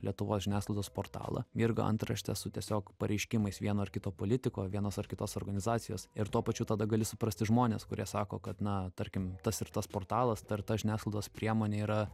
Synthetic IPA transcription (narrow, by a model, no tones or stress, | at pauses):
lʲiɛt̪ʊʋo̰ːsʒʲɪnʲæːsklˠɐɪd̪oːspoːrt̪ɑ̰ːlˠɐ̰mʲiɾɡɐ̰ɐ̰nt̪ɾɐ̰ʃʲt̪ʲɛsʊt̪ʲiɛsʲoːkpɐɾʲʔɛɪʃʲkʲɪmɐɪsʋʲiɛnoːɐrkʲɪt̪oːpoːlʲɪt̪ʲɪkoːʋʲiɛnoːsɐrkʲɪt̪oːsoːrɡɐnʲɪzɑːt̪sʲɪjo̰ːsɪɾt̪uɔpɐt͡ʃʲʊt̪ɐd̪ɐɡɐlʲɪsʊpɾɐsʲt̪ʲɪʒmoːnʲeːskʊɾʲiɛsɑːko̰ːkɐt̪nɐt̪ɐɾʲkʲɪmt̪ɐsɪrt̪ɐspoːrt̪ɑːlˠɐst̪ɐrt̪ɐʒʲɪnʲæːsklˠɐɪd̪oːspʲɾʲiɛmoːnʲeːiːɾɐ